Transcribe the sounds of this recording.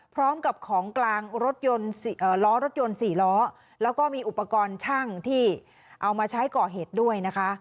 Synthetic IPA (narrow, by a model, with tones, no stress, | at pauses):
pʰɾɔː˦˥mka˨˩p̚kʰɔː˩˦ŋklaː˧ŋɾo˦˥t̪̚jo˧nsʔɤː˨˩lɔː˦˥ɾo˦˥t̪̚jo˧nsiː˨˩lɔː˦˥ | lɛː˦˥wkɔː˥˩miː˧ʔu˨˩pːa˧kɔː˧nt͡ɕʰa˥˩ŋt̪ʰiː˥˩ | ʔa˧wmaː˧t͡ɕʰa˦˥jkɔː˨˩ɦeː˨˩t̪̚du˥˩əjna˦˥kʰa˦˥ʔ